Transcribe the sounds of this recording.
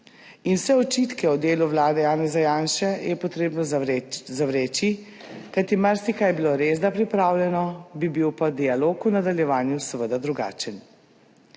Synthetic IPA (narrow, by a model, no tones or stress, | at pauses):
inwsɛɔt͡ʃit̪kɛɔd̪eːluʋlaːd̪ɛjaːnɛzajaːnʃɛjɛpɔt̪ɾeːbnɔzzaʋɾeːt͡ʃi | kajt̪imaɾsikajbiloɾezd̪apɾipɾaːwlɛnɔbibiwpad̪ialoːkunad̪aljɛʋaːnjusɛʋəd̪ad̪ɾuɡa̰ːt͡ʃən